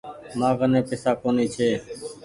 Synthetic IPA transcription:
maːɡənẽːpɪsaːkoːniːt͡ʃʰeː

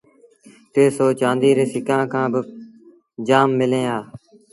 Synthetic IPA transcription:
t̪eːsoːt͡ʃãːnd̪iːɾeːsɪkãːkʰãːbə | d͡ʒaːmːɪlẽːaː

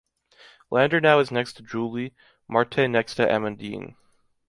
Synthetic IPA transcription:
lʔæ̃ndə˞naʊɨznɛkstʰɨd͡ʒulˠi | mɑɹtʰenɛkstʰɨʔɛ̰mɨ̃ndḭ̃n

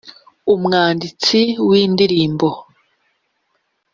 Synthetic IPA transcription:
umŋaːndit͡siwiːndiɾiːmbo

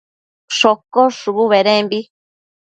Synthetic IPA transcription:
ʂokoʂuβuβeɾẽmbi

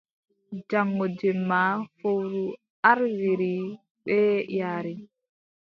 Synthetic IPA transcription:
d͡ʒaŋːɔd͡ʒɛmːafowɾu | aɾwiɾi | ɓɛjaːɾi

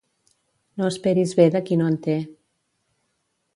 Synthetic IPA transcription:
noəspɛɾizβeðəkinoənt̪e

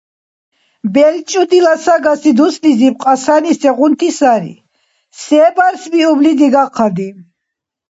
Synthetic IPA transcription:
bɛlt͡ʃʼud̪ilasaɡasid̪uslizip̚qʼasanisɛʁunt̪ʰisaɾḭ | sɛbaɾsbiublid̪iɡaqʰad̪i

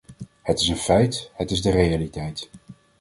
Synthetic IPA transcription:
hətɪsənfɛjthətɪzdərejalitɛjt

